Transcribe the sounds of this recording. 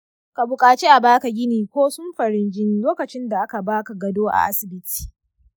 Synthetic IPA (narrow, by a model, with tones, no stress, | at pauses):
ka˨bʊ˨kʼaː˨t͡ʃe˦ʔa˨baː˦ka˨ɡʲɪ˦niː˨kʷoː˦sʊ˦mɸɐ˨ɾɪ˦nd͡ʒɪ˦nː˦loː˦kɐ˨t͡ʃɪ˦nda˨ʔa˦ka˨baː˦ka˨ɡɐ˨doː˦ʔa̰˨ʔa̰˦sɪ˨bɪ˦tʰi̥ː˨